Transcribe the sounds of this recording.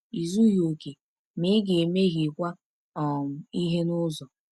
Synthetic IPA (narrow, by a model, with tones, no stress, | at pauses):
i˨zu˦ɣo˨ke˨ | mɪ˨˦ɡe˨me˦ɣi˨kʷa˦ | ɔ˨ŋʊ˨i˦ɦe˦nʊ˦zɔ˨